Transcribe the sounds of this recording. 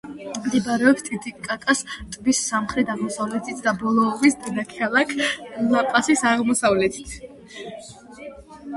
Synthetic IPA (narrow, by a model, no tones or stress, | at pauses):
md̪ibaɾɛɔpst̪ʰʼid̪ikʼːakʼast̪ʼbisːamχɾɛd̪aʁmɔsavlɛt̪ʰit̪ʰd̪abɔlˠɔʁisd̪ɛnakʰkʰalˠakʰlapʼasisaʁmɔsavlɛt̪ʰi̥t̪ʰ